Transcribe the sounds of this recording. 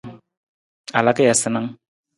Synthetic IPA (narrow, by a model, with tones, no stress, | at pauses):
a˨la˦ke˦ja˨sɪ˦na˦ŋ